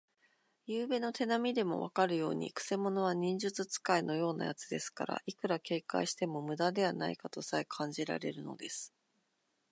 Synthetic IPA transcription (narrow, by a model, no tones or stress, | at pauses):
jɯːbe̞no̞t̪e̞namʲid̪e̞mo̞̰βa̰kaɾɯ̟jo̞̰ːɲ̟ḭkɯ̟̥se̞mo̞no̞β̞aɲ̟ĩɲ̟d͡ʑɨt͡sɨt͡sɨ̥kaino̞jo̞ːna̰jat͡sɨd̪e̞sɨ̥ka̰ɾa̰ʔikɯ̟ɾake̞ːka̰ɕi̥t̪e̞mo̞mɯ̟d̪ad̪e̞β̞ana̰ikat̪o̞saekʰãɲ̟d͡ʑiɾa̰ɾe̞ɾɯ̟no̞̰d̪e̞sɨ̥